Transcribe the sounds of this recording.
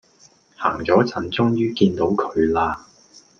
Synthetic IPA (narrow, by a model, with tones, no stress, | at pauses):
ha̰ː˨˩ŋt͡sɔː˨˥t͡sʰɐ˨˩nt͡sʊ˥ŋjyː˥kiː˧nt̪o˨˥wkʰɵ˨˧ɥlaː˧